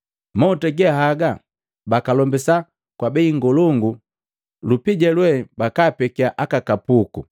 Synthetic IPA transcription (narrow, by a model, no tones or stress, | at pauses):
mɔtɛɡɛɦaɡa | bakalɔmbisa | kwabɛiŋɡɔlɔŋɡu | lupiɟɛlwɛbakaːpɛkiaʔakakapuku